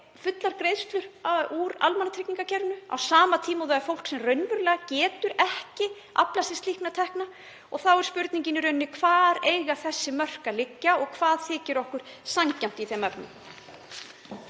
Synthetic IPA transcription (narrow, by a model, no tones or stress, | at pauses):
fʏt̪laɾ̥kɾejðst̪lʏɾauɾa̰lmanat̪ʰɾɪkniŋkacʰɛɾnʏa̰wsaːmat̪ʰiːmaðaafowl̥ksɛmrœɥnvʏɾlɛːɣacɛːt̪ʏɾɛhcɪ | ʔa̰plasɪst̪lihknat̪ʰɛhkna | ɔɣθawɛɾ̥spʏɾt̪niɲcɪnɪɾʏɥnːɪkʰv̥aːɾejɣaθɛsːɪmœr̥kalɪcːaɔɣkʰvaːðθɪːcɪɾɔhkʏɾ̥saɲcam̥t̪iθejmɛpnʏ̰m